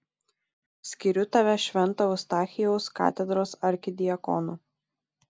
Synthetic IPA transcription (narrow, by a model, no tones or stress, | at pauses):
sʲkʲiɾʲʊt̪ɐːʋʲɛʃʲʋʲɛnˑt̪ɐʊst̪ɑːxʲɪjɛʊskɑ̰ːt̪ʲɛd̪ɾoːsɐɾʲkʲɪd̪ʲɪjɐkɔ̰nu